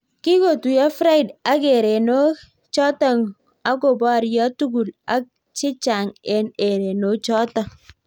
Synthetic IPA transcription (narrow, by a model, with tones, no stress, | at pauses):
kɪ˦ko˨tu˨ja˦fɾa˦ɪ˨da˦ke˨ɾe˨no˦ | t͡ʃɔ˦ta˦˨ŋ | a˦ko˨ba˦ɾjɔ˦tu˦ɡu˨la˦k̚ | t͡ʃɪ˦t͡ʃa˨ŋɛ˦ne˨ɾe˨no˦t͡ʃɔ˦ta˨